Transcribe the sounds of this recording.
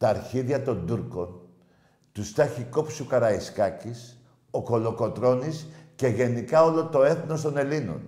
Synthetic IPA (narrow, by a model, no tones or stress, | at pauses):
t̪ɐːɾçiðiɐt̪o̞nd̪uɾko̞n | t̪ust̪ɐçikopsukɐɾɐiskɐcis | o̞ko̞lo̞ko̞t̪ɾo̞nisce̞ʝe̞nikɐo̞lo̞t̪o̞e̞θno̞st̪o̞ne̞lino̰n